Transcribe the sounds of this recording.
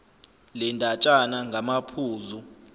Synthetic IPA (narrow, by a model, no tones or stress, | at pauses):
lɛndʱat͡ʃʼanaŋɡʱamapʰuːzu